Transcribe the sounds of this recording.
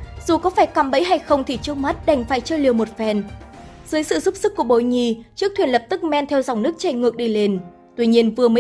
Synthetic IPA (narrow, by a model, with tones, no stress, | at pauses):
z̥u˨˩kɔ˨˦faː˧˩jkaː˨˧˩mɓə̰˧˥jɦa˧jxə˧wŋ͡mt̪ʰi˧˩t͡ɕɨ˦ək̚ma˦˥t̚ɗa˨˧˩jŋ̟faː˧˩jt͡ɕəː˧li˨˩əwmo˨˩t̚fɛ˧˩nzɨ˨˦əjsɨ̰˧˨zu˦˥p̚sɨ˦˥kːu˧˩əɓo˧˩jɲi˧˩t͡ɕɨ˦˥ək̚t̪ʰwi˧˩ənlə˨˩p̚t̪ɨ˦˥k̚mɛ˧nt̪ʰɛ˧wza˨˩wŋ͡mnɨ˦˥ək̚t͡ɕe˧˩ŋɨ˨˩ək̚ɗi˧le˧n | t̪wi˧ɲi˧ənvɨ˨˩əmə˨˦